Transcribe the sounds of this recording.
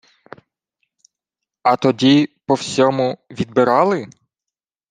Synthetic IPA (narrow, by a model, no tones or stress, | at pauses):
ɐt̪ɔdʲipɔwsʲɔmʊʋʲid̪̚bɪɾɑlˠɪ